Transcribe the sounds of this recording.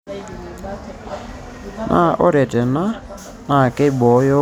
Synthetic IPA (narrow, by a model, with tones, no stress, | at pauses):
nʔa̰˦˨ʔɔ˦ɾɛ˨tɛ˨na˦ | na˨kɛ˦i˦˨ɓɔ˨˦jɔ˦